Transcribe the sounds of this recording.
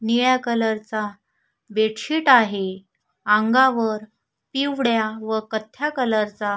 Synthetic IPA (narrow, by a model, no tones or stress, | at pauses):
niɭjakələɾt͡sa | beʈɕiːʈaɦe | ãŋɡaʋəɾ | piʋɽjaʋəkət̪ʰːjakələɾt͡sa